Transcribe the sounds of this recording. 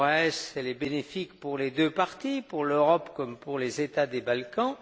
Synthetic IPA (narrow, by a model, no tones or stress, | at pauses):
ɛsɛlɛbenefikpuʁled̪øpaʁt̪ipuʁløʁɔpkɔmpuʁlezet̪ad̪ebalkɑ̃